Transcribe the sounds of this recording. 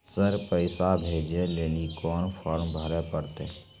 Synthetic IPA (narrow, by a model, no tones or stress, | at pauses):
səɾpəɪsabʱeːd͡ʒẽleːnikɔːnpʰɔːɾmbʱəɾepəɾt̪e